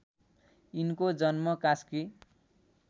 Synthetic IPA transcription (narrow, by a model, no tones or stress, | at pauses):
inkod͡zʌnmʌkaski